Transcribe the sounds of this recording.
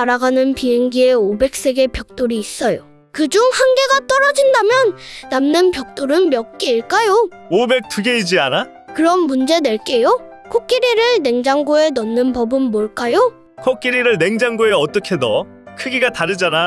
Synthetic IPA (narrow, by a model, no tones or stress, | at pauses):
aɾaɡanɯnpiɦeŋɡie̞obe̞k̚s͈e̞ɡe̞pjʌk̚t͈oɾiːs͈ʌjo | kɯd͡ʑuŋhanɡe̞ɡat͈ʌɾʌd͡ʑindamjʌnːamnɯnpjʌk̚t͈oɾɯnmjʌk̚k͈eiɭk͈ajo | obe̞k̚t͈uɡe̞id͡ʑiana | kɯɾʌmːund͡ʑe̞dwe̞ɭk͈e̞jo | kʰok͈iɾiɾɯɭne̞ŋd͡ʑaŋɡoe̞nʌnːɯnpʌbɯnmoɭk͈ajo | kʰok͈iɾiɾɯɭne̞ŋd͡ʑaŋɡoe̞ʌt͈ʌkʰe̞dʌ | kʰɯɡiɡataɾɯd͡ʑana